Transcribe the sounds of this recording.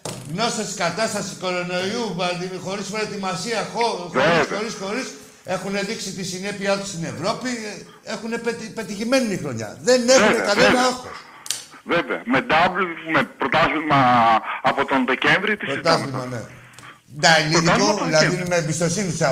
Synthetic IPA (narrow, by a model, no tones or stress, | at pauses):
ɣno̞sesi̥kɐt̪ɐst̪ɐsiko̞ɾo̞no̞iuxo̞ɾispɾot̪imɐsiɐxoxoɾixo̞ɾisxo̞ɾis | e̞xune̞ðiksit̪isine̞piɐt̪ust̪ine̞vɾo̞pi | e̞xune̞pepe̞t̪içime̞ninixɾo̞ɲɐ̰ðe̞nexunekɐnenɐɐxos | veveɐ̰med̪ɐvlmepɾot̪ɐθlimɐɐpot̪o̞nðece̞nvɾit̪isot̪ɐvlimɐnḛ | d̪ɐliðikoðilɐðiimeːmbist̪o̞sinis